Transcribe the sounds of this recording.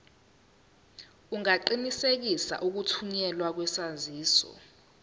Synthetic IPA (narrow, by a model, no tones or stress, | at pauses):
uŋaǃinisek̬isa̰ʔuk̬utʰuɲɛlwak̬wɛsaziːsɔ̰